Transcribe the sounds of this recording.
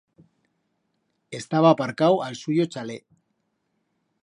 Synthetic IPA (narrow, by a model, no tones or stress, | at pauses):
e̞st̪aβapaɾkawalsujot͡ʃale̞